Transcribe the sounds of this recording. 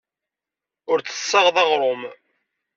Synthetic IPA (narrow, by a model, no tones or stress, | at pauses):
ʊɾt͡sə̥sːɑʁðɑʁɾˤom